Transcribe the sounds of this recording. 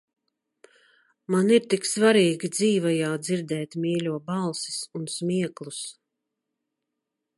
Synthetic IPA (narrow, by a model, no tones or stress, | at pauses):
maniɾt̪iksvaɾiːɡid̪ziːvajaːd̪ziɾd̪ɛːt̪mʲiːlʲuɔbalˠsi̥sunsmiɛklˠus